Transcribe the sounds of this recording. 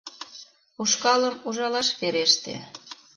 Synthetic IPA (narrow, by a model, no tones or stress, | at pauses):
uʃkɑləmuʒɑlɑʃβeɾeʃt̪ḛ